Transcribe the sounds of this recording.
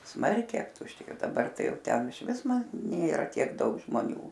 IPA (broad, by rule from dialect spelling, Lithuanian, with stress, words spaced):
ˈsmɐrʲkʲɛɪ ɐptʊʃʲˈtʲeːjoː dɐˈbɐr ˈtɐɪ ˈjɛʊ ˈtʲɛn ˈɪʃʲʋʲɪs mɐ ˈnʲeːrɐ ˈtʲiɛk ˈdɐʊk ʒmoːˈnʲuː